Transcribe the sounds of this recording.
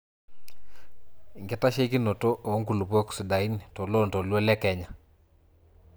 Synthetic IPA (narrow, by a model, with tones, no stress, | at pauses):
ŋɡɛ˦ta˦ʃe˦ki˦no˨to˦ʔo˨˦ŋku˨lu˨po˦ksɪ˨da˨i˦n˨to˨lo˦˨ntɔ˨lwe˦lɛ˦kɛ˨ɲa˨